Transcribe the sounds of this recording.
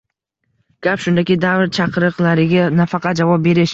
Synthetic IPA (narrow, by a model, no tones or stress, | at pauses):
ɡ̥ʲapʃʊnd̪akʲɪd̪avɾt͡ʃʰɑqʰɨɾɨqlaɾɪɡʲanafɑqʰɑt̪̚d͡ʒavɒp̚be̞ɾɪʃ